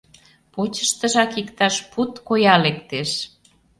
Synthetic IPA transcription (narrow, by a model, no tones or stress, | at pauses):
pot͡ɕəʃt̪ə̆ʒɑkikt̪ɑʃput̪kojɑlekt̪eʃ